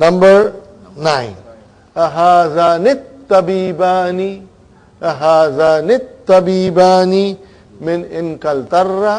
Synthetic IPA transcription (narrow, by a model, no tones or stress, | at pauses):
nɐmbɐɾ | naɪn | aɦaːzaːnɪt̪ːɐbiːbaːni | aɦaːzaːnɪt̪ːɐbiːbaːni | mɪnɪnkɐlt̪ɐrːa